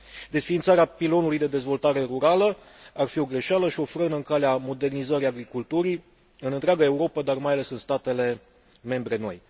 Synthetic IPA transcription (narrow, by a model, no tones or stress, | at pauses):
d̪e̞sfiːnt̪saɾeapilo̞nulujd̪e̞d̪e̞zvo̞lt̪aɾe̞ɾuɾalə | arfio̞ɡɾe̞ʃaləʃio̞fɾənɨŋkaleamo̞d̪e̞rnizəɾiaɡɾikult̪uɾi | ɨnɨnt̪ɾeaɡae̞uɾo̞pəd̪armajale̞sɨnst̪at̪e̞le̞ | me̞mbɾe̞no̞̰j